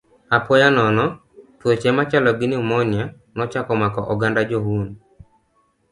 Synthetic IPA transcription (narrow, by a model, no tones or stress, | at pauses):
apɔjanɔnɔ | twɔt͡ʃɛmat͡ʃalɔɡɪnɪumɔnja | nɔt͡ʃakɔmakɔʔɔɡandad͡ʒɔɦun